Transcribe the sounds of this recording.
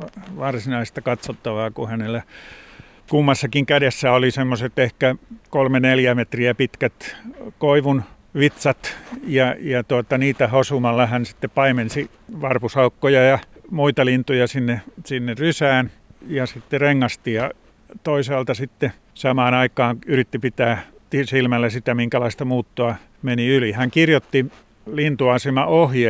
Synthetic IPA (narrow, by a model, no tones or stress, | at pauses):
ɑʋɑrsinɑist̪ɑkɑt̪sot̪ːɑʋɑːkuhænelːˑæ | kumːɑsːɑkiŋkædesːæolisemːoset̪ehkækolmeneljæmet̪riæpit̪kæt̪koiʋun | ʋit̪sɑt̪jɑjɑt̪uot̪ɑniːt̪æhosumɑlːɑhænsi̥t̪ːeppɑimensi | ʋɑrpusɑukːojɑjɑmuit̪ɑlint̪ujɑsinːesinːerrysæːnjɑsit̪ːereŋːɑst̪ijɑ | t̪oisɑːlt̪ɑsit̪ːe | sɑmɑːnɑikɑːnyrit̪ːipit̪æːt̪isilmælːæsit̪æmiŋkælɑist̪ɑmuːt̪ːoɑ | meniylihæŋkirjot̪ːi | lint̪uɑsemɑʔohje